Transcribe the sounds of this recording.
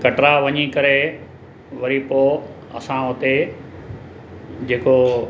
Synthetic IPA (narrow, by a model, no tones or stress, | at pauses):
kɐʈɾaʋɐɲikɐɾe | ʋɐɾipoː | ɐ̰sãʊt̪e | d͡ʑeːko